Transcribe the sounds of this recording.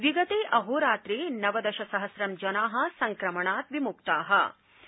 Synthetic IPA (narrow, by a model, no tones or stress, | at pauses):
ʋiɡɐt̪eːʔɐɦoːɾaːt̪ɾeːnɐʋɐd̪ɐʃɐsɐɦɐsɾɐmd͡ʒɐnaːɦɐ̆sɐŋkɾɐmɐɳaːt̪ʋimukt̪aːɦɐ̰